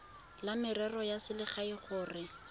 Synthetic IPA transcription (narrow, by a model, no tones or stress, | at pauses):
lamɪrɛrɔjasɪlɪχaiχʊːrɪ